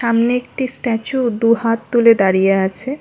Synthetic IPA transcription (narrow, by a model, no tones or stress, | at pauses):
ʃamneek̚ʈisʈɛt͡ɕud̪uɦat̪ːuled̪aɾijeat͡ɕʰe